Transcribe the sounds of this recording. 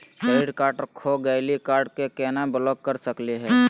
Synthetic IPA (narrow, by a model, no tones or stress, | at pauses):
peɪɖkaːɾʈkʰoɡəɪlikaːɾɖkekɛːnabəlɔk̚kəɾsəkliɦɛː